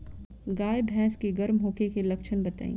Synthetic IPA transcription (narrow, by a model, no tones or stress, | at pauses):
ɡaːjbʱɛ̃ːskeɡɐɾmɦoːkekelɐkʃʰənbɐt̪a̰ːḭ̃ː